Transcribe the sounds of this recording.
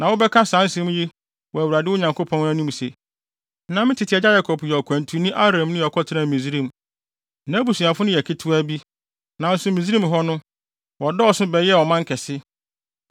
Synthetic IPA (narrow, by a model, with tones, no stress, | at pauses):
nã˨wʊ˦bɛ˦kʰã˦sã˨˦n˦sɛ̃˦m̃˦ji˦ | wɔ˨æ˨wu˨ɾa˨dɪ˦ʊ˦ɲã˨ŋkʰo˦pʰɔ̃˦n˦æ̃˦nũ˦m˨se˨˦ | nã˨m˦ɪ̃˦tʰɪ˨tʰɪ˨ɛ˨d͡ʑa˦ja˦kʰɔ˨pʰjɔ˨kʷʰã˨ntʰu˨nʊ̃˦ʔa˦ɾã˨mnʊ̃˦jɛ˨kʰɔ˦tʰɪ˦ɾã˨mĩ˨zɾĩ˦˨m˨ | nã˦bu˨si˨a˨fʊ˦nʊ̃˦jɛ˨kʰɪ˦tʰʊ˦æ˦bi˦ | nã˨n̩˦sʊ˨mi˨zɾĩ˦mɦɔ˦nʊ̃˦ | wɔ˨dɔ˦ɔ˨sʊ̃˦bɛ˨˦ɛ˦˨wɔ˨mã˦ŋ˦kʰɛ˨sɪ˦